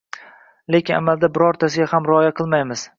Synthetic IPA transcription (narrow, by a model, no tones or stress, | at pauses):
le̞kʲɪna̰malˠd̪abɪɾɒɾt̪ʰas̬ɪɡʲahamɾɪɒjaqʰɨlˠmajmɪz̥